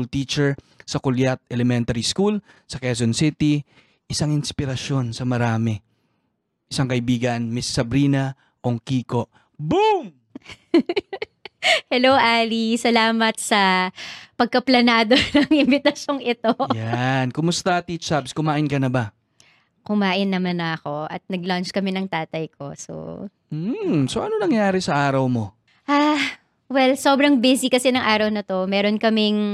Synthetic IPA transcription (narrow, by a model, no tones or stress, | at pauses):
lt̪iːt͡ʃɛɹ | sɐkʊljat̪̚ɛlɛmɛnt̪ɐɾiskul | sɐkɛs̬onsɪt̪i | ʔɪsaŋɪnspɪɾɐʃo̞nsɐmɐɾaːmɛ | ʔɪsaŋkɐʔɪbiːɡɐnmɪsːɐbɾiːnɐ | ʔoŋkiːko̞ʔ | bum | hɛlowʔaːlisɐlaːmɐt̪̚sɐ | pɐɡ̚kɐplɐnaːd̪onɐŋɪnbɪt̪ɐsjo̞ŋɪt̪o̞jankʊmʊst̪ɐt̪it͡ʃabskʊmaːʔɪnkɐnɐba | kʊmaːʔɪnːɐmanɐɐko̞ʔɐ̰t̪̚nɐɡlant͡ʃkɐmɛnɐŋt̪aːt̪ɐjkʰo̞̰so̰ | soʔɐnonɐŋjaːɾɛsɐʔaːɾɐwmo̞̰ | ʔa | wɛlsoːbɾɐŋbɛsikɐsɛnɐŋʔaːɾɐwnɐt̪o̞mɛːɾonkɐmɪŋ